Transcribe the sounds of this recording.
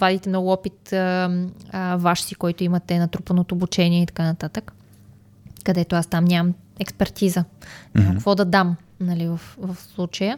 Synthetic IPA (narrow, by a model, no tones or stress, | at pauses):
vad̪it̪ɛmnɔɡʊɔpit̪ | vaʃsikɔjt̪oimət̪ɛnɐt̪ɾupənot̪oːbut͡ʃɛniɛit̪ɐ̥kanɐt̪at̪ək | kːɐd̪ɛt̪oast̪amnʲamɐm | ɛkspɛɾt̪izəmkkvɔd̪ɐd̪am | nɐlivəfvɐfslˠut͡ʃəjə